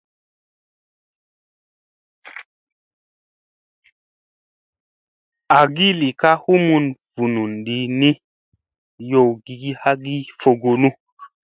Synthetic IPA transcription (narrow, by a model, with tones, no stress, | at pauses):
a˨ɡi˦li˨ka˦hu˦mu˧nv̥u˨nu˨nɗi˧ni˦ | jo˧˨wɡi˨ɡi˦ha˦ɡi˦fo˧ɡo˧nu˦